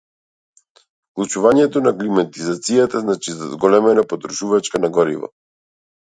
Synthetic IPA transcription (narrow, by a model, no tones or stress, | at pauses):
klˠut͡ʃuvaɲɛt̪ɔnaklimat̪izat̪sijat̪aznat͡ʃizazɡɔlɛmɛnapɔt̪ɾuʃuvat͡ʃkanaɡɔɾḭvɔ̰